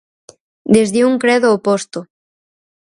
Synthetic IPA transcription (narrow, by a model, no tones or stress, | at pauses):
d̪ezðeuŋkɾɛðoːpost̪o